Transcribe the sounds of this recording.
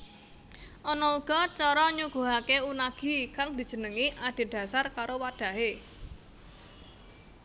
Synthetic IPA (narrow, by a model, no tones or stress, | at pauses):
ʔɔnɔuɡ̥ɔ̤t͡ʃɔɾɔɲuɡ̥o̤ɦakeunaɡ̥i̤kaŋd̪̥i̤d̥ʒ̥ə̤nəŋiʔaɖ̪̥e̤d̪̥a̤sarkaɾowad̪̥ä̤ɦe